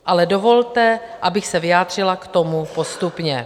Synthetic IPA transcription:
ʔalɛdovolt̪ɛ | ʔabɪxsɛvɪjaːd̪r̝̥ɪlakt̪o̞mupo̞st̪upɲɛ

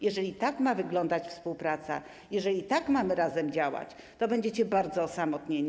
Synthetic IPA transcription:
jɛʐɛlʲit̪akmavɘɡlɔnd̪at͡ɕfspuwpɾat̪sa̰ | jɛʐɛlʲit̪akmamɘɾazɛmd͡ʑawa̰t͡ɕ | t̪ɔbɛɲd͡ʑɛt͡ɕɛbaɾd̪zɔsamɔt̪ɲeɲ

